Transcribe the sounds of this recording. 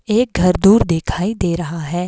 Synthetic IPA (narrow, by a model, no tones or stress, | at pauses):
eːk̚ɡʱɐɾd̪uːɾd̪ɪkʰaːid̪eːɾɐɦaɦɛː